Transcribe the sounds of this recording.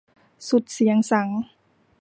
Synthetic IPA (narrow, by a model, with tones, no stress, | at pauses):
su˨˩t̪̚si˩˦əŋsa˩˦ŋ